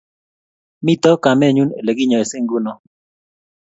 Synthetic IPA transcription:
mi˦t̪ɔ˦ka˨mɛ˦˨ɲu˦nḛ˨le˨ɡɪ˦ɲɔ˨e˨se˦ŋɡu˦nɔ˦

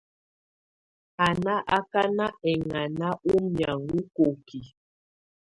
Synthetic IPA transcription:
a˨na˦ʔa˦ka˦na˦ɛ˨ŋa˨na˦ʔu˦mja˨ŋɡu˦ko˨ki˨

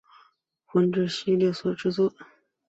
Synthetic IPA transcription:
xwə˧˥nʈ͡ʂɻ̩˥˩ɕi˥ljɛ˥˩swɔ˨˩ʈ͡ʂɻ̩˥˧t͡swɔ˥˩

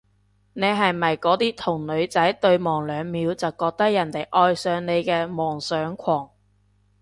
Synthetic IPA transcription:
ne˨˧jɦɐ˨jmɐ˨˩jkɔː˨˥t̪iː˥t̪ʰʊ˨˩ŋlɵ˨˧ɥt͡sɐ˨˥jt̪ɵ˧ɥmɔː˨˩ŋlœː˨˧ŋmiː˨˥wt͡sɐ˨wkɔː˧k̚t̪ɐ˥k̚jɐ˨˩nt̪e˨˩jʔɔː˧jsœː˨˧ŋne˨˧jkɛː˧mɔː˨˩ŋsœː˨˥ŋkʷʰɔː˨˩ŋ

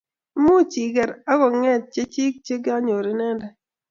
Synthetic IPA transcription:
mu˦t͡ʃi˨ɡɛ˨ɾa˦kɔ˨ŋɛ˦t̚t͡ʃe˦t͡ʃi˦k̚t͡ʃe˦ɡa˦ɲo˨ɾi˨nɛ˦ndɛ˨

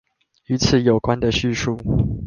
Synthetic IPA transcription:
y˧˥t͡sʰɹ̩˨˦jo˨˩ʊkwa˦nd̪ə˨ɕy˥˧ʂu˥˩

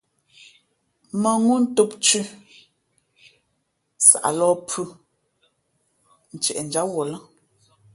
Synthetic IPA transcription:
mə˨ŋu˦n̩˦to˦p̚t͡ʃʉ˦ | sa̰˨ʔa̰˨lɔː˦pʰʉ˦ | n̩˨t͡ʃɛ˨ʔɛ˨n̩˨d͡ʒa˦wɔ˨lə˦

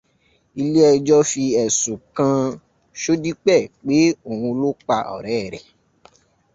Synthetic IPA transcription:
i˧le˦ɛ˧d͡ʒɔ˦fi˧ɛ˨sũ˨kã˧ | ʃo˦di˦k͡pɛ˦˨k͡pe˨˦o˨wũ˧lo˦k͡pa˧ʔɔ̰˨ɾɛː˦˨ɾɛ̰˨

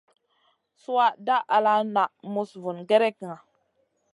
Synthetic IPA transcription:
su˦a˦da˦ʔa˨la˦na˨ʔmu˨svu˨nɡe˦ɾe˦ki˨ŋa˨

